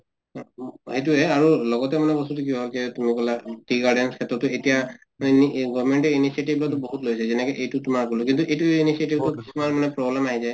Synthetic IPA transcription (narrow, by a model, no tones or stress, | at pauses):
hejtuɦɛaɹulɔɡɔtɛmanɛbɔsutuk̬iɦɔlkɛtumikɔlaʈiɡaɹɖɛnskʰɛtɹɔtːɔetija | iɡɔvmɛɳtɛinisietibʱlɔtɔboɦutlojsɛzɛnɛkɛʔejtutumaɹkolɔk̬intuʔejtuinisietibtukisumaɹmanɛpɹɔblɛmaɦizaj